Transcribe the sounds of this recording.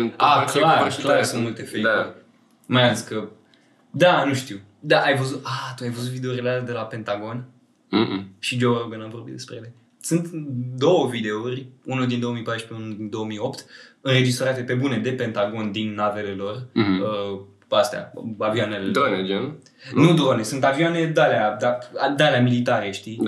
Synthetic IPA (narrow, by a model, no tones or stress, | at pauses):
aklaɾklaɾsɨunt̪mult̪e̞fejuɾ | majazikə | d̪anuʃt̪iw | d̪aʔajvəzut̪at̪uajvəzut̪vid̪eoɾileald̪e̞lape̞nt̪aɡo̞n | ʃid͡ʒoɾobenamvo̞rbit̪d̪e̞spɾeele̞ | sɨnt̪d̪o̞wəvid̪e̞urʲunod̪ind̪o̞omijpaʃpeunod̪ind̪o̞omio̞pt̪ɨnɾe̞d͡ʒist̪ɾat̪e̞pe̞bune̞d̪e̞pe̞nt̪aɡo̞nd̪inːave̞le̞lo̞rə | ast̪ea̰avianeld̪oned͡ʒo | nud̪onesunt̪aviane̞d̪alead̪aad̪aleamilit̪aɾeʃt̪i